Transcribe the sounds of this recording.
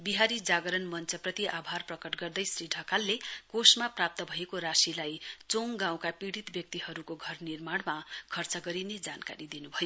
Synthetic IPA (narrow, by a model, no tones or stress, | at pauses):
biɦaɾid͡zaɡʌɾʌnmʌnt͡sʌprʌt̪iʔabʱarprʌkʌʈɡʌrd̪ʌjsrɾiɖʱʌkalːekosmaprap̚t̪ʌbʱʌekoɾasilajt͡soŋɡãw̃kapiɽit̪bjʌk̚t̪iɦʌɾukoɡʱʌrnirmaɽmakʰʌrt͡sʌɡʌɾined͡zanka̰ɾid̪inubʱʌjo